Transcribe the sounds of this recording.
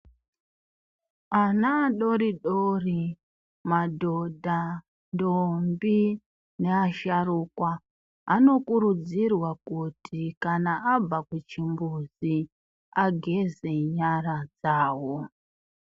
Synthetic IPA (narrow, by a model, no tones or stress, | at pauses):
anaːɗo̞ɾiɗori | madʱodʱa | ndombi | ne̞aʃarukwa | a̰no̞kuɾud͡zirwakutʰikanaab͡vakwut͡ʃimbuzi | aɡʱe̞zeɲaɾad͡zaːwo